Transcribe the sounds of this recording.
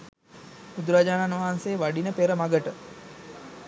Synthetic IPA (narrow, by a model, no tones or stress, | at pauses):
bud̪uɾad͡ʒaːnanʋaɦanseːʋaɖinəpeɾəmaɡəʈə